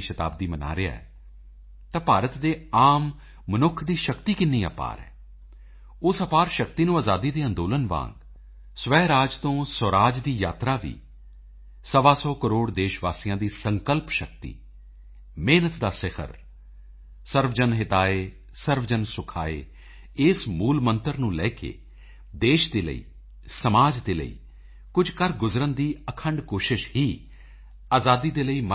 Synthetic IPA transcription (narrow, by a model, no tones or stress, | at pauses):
ʃət̪a̰ːb̚d̪iːməna̰ːɾɪa̰ːɛ̰ː | t̪ãːpaːɾət̪d̪eːaːmː | ənʊkʰd̪iːʃəkt̪iːkɪnːiːə̰pa̰ːɾɛ̰ː | ʊsəpaːɾʃək̚t̪iːnũːaːzaːd̪iːd̪eːə̃nd̪oːlənʋã̰ːŋɡ | sʋɛːɾaːd͡ʒt̪õːsəɾaːd͡ʒd̪iːjaːt̪ɾaːʋḭː | səʋaːsɔːkəɾoːɽd̪eːʃʋaːsijãːd̪iːsəŋkəlpʃək̚t̪ḭː | meːnət̪d̪aːsɪkʰə̰ɾ | səɾʋd͡ʒənɦɪt̪aːeː | səɾʋd͡ʒənsʊkʰa̰ːḛː | ɪsmuːlmənt̪əɾnũːlɛ̰ːkḛː | d̪eːʃd̪eːlə̰ḭː | səmaːd͡ʒd̪eːlə̰ḭː | kʊd͡ʒʱkəɾɡʊzɾənd̪iːəkʰəɳɖkoːʃɪʃhiː | aːzaːd̪iːd̪eːləiːmə